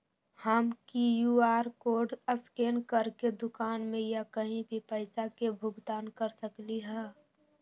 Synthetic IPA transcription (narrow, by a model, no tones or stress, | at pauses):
həmkijuːaːɾkoːɖəskeːnkəɾked̪ʊkaːnmẽjakəɦĩbʱipəɪsakebʱʊɡd̪aːnkəɾsəkliɦɛː